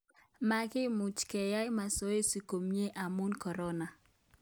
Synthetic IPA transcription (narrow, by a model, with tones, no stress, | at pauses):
ma˦kɪ˦mu˨t͡ʃkɛ˨ja˦ma˨so˦e˦si˨ko˨mje˦ʔa˨mu˦nkɔ˨ɾɔ˦na˨